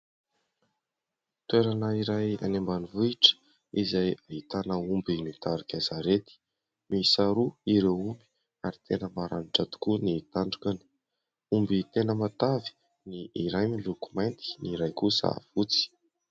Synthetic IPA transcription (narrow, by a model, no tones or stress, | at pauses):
t̪weɾanəiɾaja̰nembanivuiʈ͡ʂə̥ | izajaɦit̪anəumbinit̪aɾikʲazaɾet̪i̥ | misaɾuiɾeumbi̥ | aɾit̪ʰenəmaɾanʈ͡ʂat̪u̥kunit̪aɳɖ͡ʐukʲani | umbit̪enəmat̪avi̥ | niiɾajmiluku̥majnt̪i̥niɾajkusa̰v̥ut͡si̥